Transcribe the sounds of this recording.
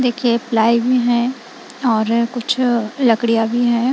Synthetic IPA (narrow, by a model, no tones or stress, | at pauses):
d̪eːkʰieplaːibʱiɦɛ̃ | ɔːɾkʊt͡ʃʰlɐkɽijabʱiɦɛ̃ː